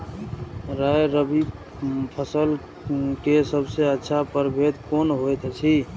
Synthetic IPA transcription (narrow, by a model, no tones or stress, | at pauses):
ɾajɾəbi | pʰəsəl | kesəbseətːʃʰapəɾbʱed̪konɦojt̪t͡ʃʰi